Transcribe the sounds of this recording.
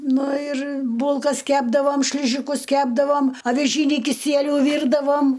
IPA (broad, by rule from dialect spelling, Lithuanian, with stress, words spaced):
ˈnʊ ɪr ˈbuːlˠkɐs ˈkʲæːbdɐʋoːm ˈʃʲlʲɪʒʲɪkʊs ˈkʲæːbdɐʋoːm ɐʋʲɪˈʒʲiːnʲiː kʲɪˈsʲiɛlʲʊ ˈʋʲiːrdɐʋoːm